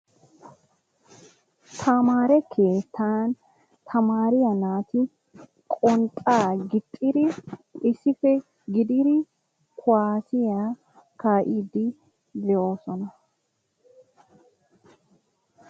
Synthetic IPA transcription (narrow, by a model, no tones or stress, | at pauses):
t̪ʰɐmaːɾɛkʰe̞ːt̪ʰːaːn | t̪ʰɐmaːɾɪjɐnaːt̪ɪ | kʼɔnt̪ʼaːɡɪt̪ʼːɪɾɪɪsːɪfɛ | ɡɪd̪ɪɾɪ | kʰʊwaːsɪjaː | kaːʔiːd̪ɪ | d̪ɛʔo̞ːsɔnɐ